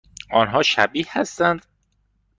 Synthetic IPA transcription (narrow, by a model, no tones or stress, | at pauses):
ɒːnɦɒːʃæbiːhhæst̪ænd̪̥